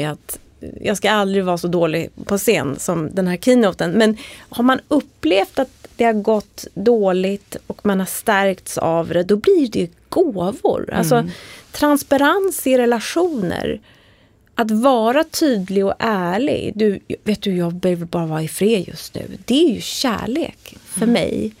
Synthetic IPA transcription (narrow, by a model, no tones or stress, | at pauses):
at̪ | jɑːɡskaald̪ɾɪɡvɑːɾsɔd̪oːlɪpʰɔseːnsɔmd̪ɛnhæːɾkʰinut̪ənmɛnhaɾmanɵpːleːft̪at̪d̪̥ɛhaɾɡɔt̪ːd̪oːlɪt̪ɔkmanhaʂt̪æɾkt̪sa̰vd̪ɛd̪ɔblɪɖɛ | ɡ̥oːvʊ̰ɾa̰ls̬ɔt̪ʰɾanspaɾansɪɾɛlaɧuːnə̰ɾ | ʔat̪vɑːɾat̪ʰyːd̪lɪɔʔæːɭɪ̰ɡd̪ɵveːt̪̚d̪ɵjɑːɡ̚bɛhøːvəɾbɑːɾavɑːɾaɪfɾeːd̪jɵ̰st̪nʉ̟̰ːd̪ɛæjɵɕæ̰ːɭḛːkfœɾmɛ̰j